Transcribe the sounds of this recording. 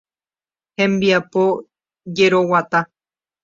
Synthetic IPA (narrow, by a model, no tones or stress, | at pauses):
hẽ̞mbiapo | d͡ʒeɾowat̪a